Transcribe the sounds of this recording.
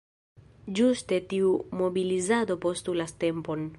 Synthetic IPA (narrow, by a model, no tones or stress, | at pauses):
d͡ʒuste̞tiumo̞bilizado̞po̞stulaste̞mpo̞n